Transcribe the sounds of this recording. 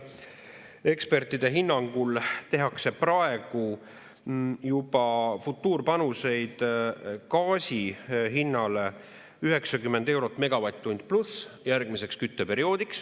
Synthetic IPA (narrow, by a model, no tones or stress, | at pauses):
e̞kspe̞rt̪ːid̪̥e̞ɦinːɑŋɡ̥ult̪e̞ɦɑkse̞prɑe̞ɡ̥u | jub̥ɑfut̪ːˑuːrpɑnuse̞jd̪̥kɑːsʲiɦinːɑle | yɦe̞ksɑkymːe̞nd̪e̞wɾo̞t̪ːˑme̞ɡ̥ɑvɑt̪ːunʲd̪̥plusjærɡ̥mise̞kskyt̪ːepe̞ɾio̞ːd̪̥iks